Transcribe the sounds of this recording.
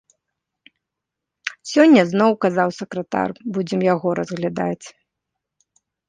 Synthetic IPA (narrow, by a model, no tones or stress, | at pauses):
sʲɔnʲːɐznɔwkazawsɐkɾɐt̪a̰rbud͡zʲɛmjaɣɔɾɐzɣlʲad̪a̰t͡sʲ